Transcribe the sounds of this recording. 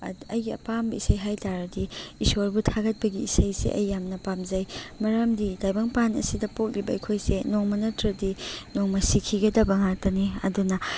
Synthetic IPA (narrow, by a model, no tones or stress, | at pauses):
ɐjɡiɐ̰pambɐisɐjɦajtaɾɐdiisoɾbutʰaɡɐt̚bɐɡiisɐjsḛʔɐ̰jːamnɐpamzɐjmɐɾɐmdidajbɐŋpanɐ̰sidɐpok̚libɐikʰojsenoŋmɐnɐtɾɐdinoŋmɐsikʰiɡɐdɐbɐŋak̚tɐniɐ̰dunɐ